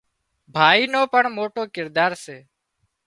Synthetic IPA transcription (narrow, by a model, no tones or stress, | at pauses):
bʱaːiːnoːpəɳmoːʈoːkɪɾd̪aːɾseː